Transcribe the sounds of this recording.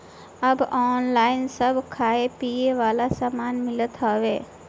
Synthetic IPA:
əbɔːnlainsəbʱkʰaepieʋaːlasamanmɪlət̪ɦəʋe

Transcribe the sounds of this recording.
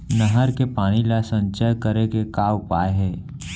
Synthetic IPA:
nəɦəɾkepaːɽ̃ilasə̃nt͡ʃəjkəɾekekaːwpaːeɦɛː

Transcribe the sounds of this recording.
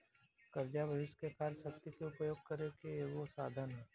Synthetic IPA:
kɐɾd͡ʒabʱɐʋɪʃkekʰaːɾsəkt̪ikeʊpəjoːɡ̚kɐɾekejoɡosaːd̪ʱənɦɛː

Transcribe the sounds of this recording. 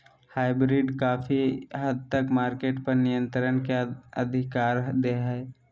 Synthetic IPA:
haːɪbɾɪɖkaːfʰiɦəd̪̚ʱt̪əkmaːɾkeːʈpɐɾnɪjə̃nt̪ɾənkeə̰d̪ʱɪkaːɾd̪eɦɛː

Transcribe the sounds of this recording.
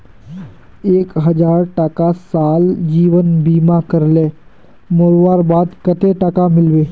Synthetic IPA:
eːkɦəd͡ʒaːɾʈəkasaːld͡ʒiːʋənbiːmakəɾlẽː | moːɾwaːɾbaːd̪kət̪eʈəkamɪlweː

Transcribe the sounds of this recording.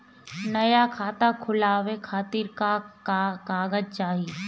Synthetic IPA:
nɐjakʰaːt̪akʰʊlaːʋekʰaːt̪iːɾkakkaːɡəd͡ʒt͡ʃaːɦi

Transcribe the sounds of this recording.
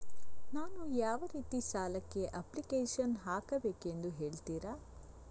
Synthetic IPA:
naːnujaːʋɐɾiːt̪isaːlɐkːe̞ʔɐplikeːʃɐnɦaːkɐbeːkend̪uɦe̞ːɭt̪iːɾaː

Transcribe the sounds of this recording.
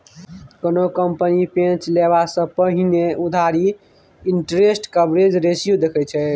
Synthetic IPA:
konokəmpənipẽt͡ʃleβasə̃pəɦineud̪ʱaɾi | iɳʈɾesʈkəbɾed͡ʒɾesjud̪ekʰɛt͡ʃʰɛ

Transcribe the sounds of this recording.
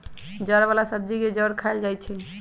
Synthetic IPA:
d͡ʒəɾbalasəbd͡ʒiked͡ʒəɾkʰajld͡ʒajt͡ʃʰil

